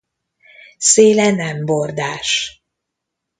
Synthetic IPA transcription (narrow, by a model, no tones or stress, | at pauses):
seːlɛnɛmbord̪aːʃ